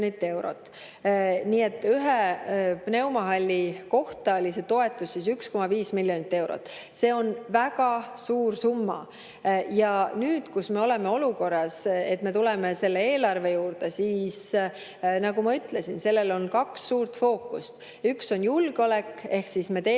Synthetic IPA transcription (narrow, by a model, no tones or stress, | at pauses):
nit̪ːˑe̞wɾo̰t̪ːˑ | niːe̞t̪ːyɦepne̞wmɑɦɑlʲːiko̞ht̪ɑolʲise̞t̪o̞e̞t̪ːˑussisyksko̞mɑviːsmilːjo̞nit̪ːe̞wɾo̰t̪ːˑ | se̞ːo̞nvæɡɑsuːrsumːɑ̰ | jɑnyːd̪̥kusme̞o̞le̞me̞o̞luko̞rːɑse̞t̪ːme̞t̪ulɛme̞se̞lːe̞e̞ːlɑrve̞juːɾd̪e̞siːs | nɑɡumɑyt̪ːlesinse̞lːe̞lo̞nkɑksːuːrt̪fo̞ːkːust̪ | ykso̞njulɡ̥eole̞kːe̞hksisme̞t̪eː